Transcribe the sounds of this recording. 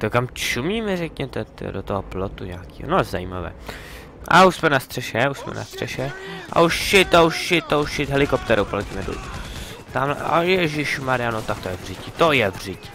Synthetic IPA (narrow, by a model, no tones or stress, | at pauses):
t̪okamt͡ʃumiːmɛrɛkɲɛt̪ɛt̪dot̪oɦoplot̪uɲaːkiːɦo̰noza̰jiːmavɛ̰ː | ʔa̰uʃsmɛnast̪r̥ɛʃɛuʃsmɛ̰na̰st̪r̝̥ɛʃɛʔa̰uʃʃɪt̪auʃʃɪt̪ouʃɪt̪ɦɛlɪkopt̪ɛɾowpolɛcimɛdṵ | t̪amlɛ̰a̰jɛʒɪʃmaɾɪjanot̪ak̚t̪ojɛvrɪcɪt̪ojɛvr̝ɪcɪ̥